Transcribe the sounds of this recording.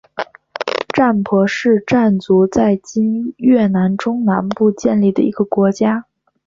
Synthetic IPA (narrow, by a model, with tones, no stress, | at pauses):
ʈ͡ʂa˥˩npʰwɔ˧˥ʂɻ̩˥˧ʈ͡ʂa˥˩nt͡su˧˥t͡sa˥˩ɪt͡ɕi˥njɥɛ˥˩na˧˥nʈ͡ʂʊ˥ŋna˧˥npu˥˧t͡ɕjɛ˥˧nli˥˩d̪ə̰˩i˧˥ɡə˧kwɔ˧˥t͡ɕja˥